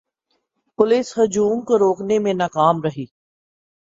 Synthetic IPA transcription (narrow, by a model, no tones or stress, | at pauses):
pʊlɪsɦʊd͡ʒuːmkoɾoːknemẽnaːkaːmɾɐɦiː